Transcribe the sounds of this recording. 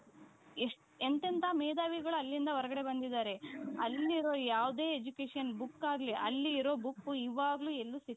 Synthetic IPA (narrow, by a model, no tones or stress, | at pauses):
eʂʈ | ent̪ɐnt̪ʰaːmeːd̪aːʋiɡɐɭuɐlːind̪ɐʋɔɾɐɡɐɽe̞bɐnd̪id̪aːɾe̞ɐlːiɾoːjaːʋd̪e̞ːed͡ʒukeːʂɐnbukːaːɡleʔɐlːiːɾo̞ːbukːuiʋaːɡɐluːelːusit̪ː